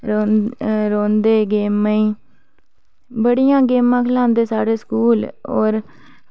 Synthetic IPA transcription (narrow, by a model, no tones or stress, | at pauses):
ɾoɾoːnd̪eːɡeːmãːĩː | bəɽijãːɡeːmãːkʰəlãːnd̪eːsaːɽeːskuːlɔ̰ːɾ